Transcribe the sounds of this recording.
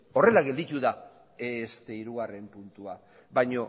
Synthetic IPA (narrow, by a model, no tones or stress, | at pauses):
o̞re̞laɣe̞ld̪it̪uða | est̪e̞iɾuɣare̞mpunt̪ua | bajɲo̞